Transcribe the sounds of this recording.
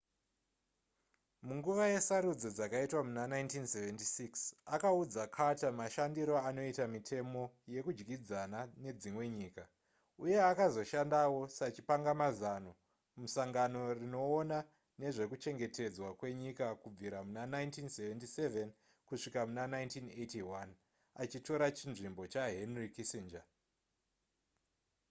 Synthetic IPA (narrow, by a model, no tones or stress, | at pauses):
muŋɡuʋaje̞saɾud͡zo̞d͡zakaitwamunanaintinseventisiksakaud͡zakʰatamaʃandiɾo̞ano̞itamitʰe̞mo̞je̞kud͡ʒɡid͡zanane̞d͡zimwe̞ɲiːka | uje̞akazo̞ʃandawo̞sat͡ʃipaŋɡamazano | musaŋɡano̞rino̞ːna | ne̞ʐe̞kut͡ʃe̞ŋɡe̞te̞d͡zwakwe̞ɲikakub͡viɾamunanajntinseventiseven | kuʂikamunanaintinejtiwan | at͡ʃito̞ɾat͡ʃinʐimbo̞t͡ʃaɦenrikisind͡ʒa